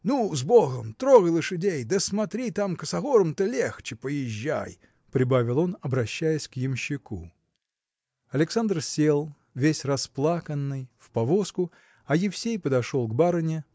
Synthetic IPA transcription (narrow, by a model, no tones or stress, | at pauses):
nuzboɣəmt̪ɾoɣəjlˠɨʂɨdʲejd̪əsmɐt̪ɾʲit̪amkəsɐɣoɾəmt̪əlʲext͡ɕɪpəjɪʑːæ̰j | pɾʲɪbavʲɪlˠonɐbɾɐɕːæjɪsʲkjɪmɕːɪkṵ | ɐlʲɪksand̪rsʲelˠ | vʲesʲrɐsplˠakənːɨjfpɐvoskʊ | ɐjɪfsʲejpəd̪ɐʂolˠɡbaɾɨnʲɪ